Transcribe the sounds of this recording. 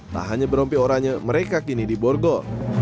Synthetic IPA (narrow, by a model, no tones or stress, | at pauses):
t̪a̰ɦaɲabəɾɔmpioɾaɲaməɾekakinidibɔrɡɔ